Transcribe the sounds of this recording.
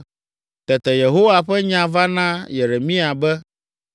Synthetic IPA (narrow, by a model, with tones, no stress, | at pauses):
t̪ɛ˨t̪ɛ˨je˨ɦo˦wa˨ɸɛ˦ɲã˨va˦nã˦je˨ɾe˨mĩ˦a˨bɛ˦